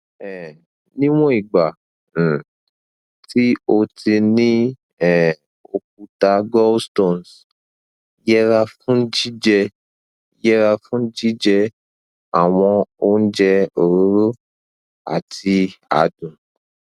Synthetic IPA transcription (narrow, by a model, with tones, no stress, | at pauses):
ɛ˨ | nĩ˦w̃ɔ̃˦i˨ɡ͡bã˨ | ti˦o˧ti˧nĩ˦ | ɛ˨ | o˧k̚u˧ta˧ɡɔ˦sto˨n˨s | jɛ˦ɾa˧fũ˦n̩˦d͡ʒi˦d͡ʒɛ˧˦ | jɛ˦ɾa˧fũ˦n̩˦d͡ʒi˦d͡ʒɛ˧ | a˨w̃ɔ̃˧o˧n̩˦d͡ʒɛ˧o˨ɾo˨˦ɾo˦ | a̰˨tʰi˧a̰˨dũ˨